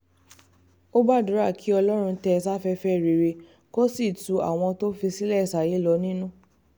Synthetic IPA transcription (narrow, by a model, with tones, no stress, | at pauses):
o˦ba˦˨du˨˦ɾa˦˨kʰi˨˦ɔ˧lɔ˦ɾ̃ũ˧tɛ˧s̬a˦fɛ˧fɛ˦˨ɾe˨ɾe˧ | ko˦si˦˨tu˨˦a̰˨w̃ɔ̃˧to˦fi˧si˦lɛ˦˨sa˨je˨˦lɔ˧nĩ˦nũ˦